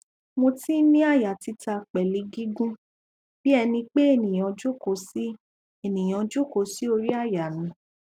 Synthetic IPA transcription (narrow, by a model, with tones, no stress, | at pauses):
mo˧ti˦nĩ˦a˦˨ja˨ti˨˧ta˧k͡pɛ˨li˨˦ɡi˦ɡũ˦ | b̥i˦ɛ˧nĩ˧k͡pe˦e˦˨nĩ˨j̃ɔ̃˨˧d͡ʒu˦ko˨si˦ | e˨nĩ˨j̃ɔ̃˧d͡ʒu˦ko˨˦si˨˦o˧ɾi˦a˦˨ja˨nĩ˨˦